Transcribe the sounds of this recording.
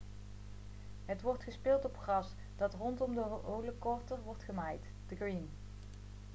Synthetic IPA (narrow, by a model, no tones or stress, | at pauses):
ɦətʋɔɹtχəspɪːlˠtɔpχrɑs | d̥ɑtrɔntɔmdəɦʔowləkɔɹtərʋɔɹtχəmajt | d̥əɡrin